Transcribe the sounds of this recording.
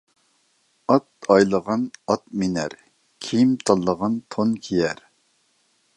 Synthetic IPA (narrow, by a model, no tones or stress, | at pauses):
ɑt̪ɑjlˠəʁɑnɑt̪̚minɛɾ | kʲʰijimt̪ʰɑlˠːəʁɑnt̪ʰonkʲʰijɛɾ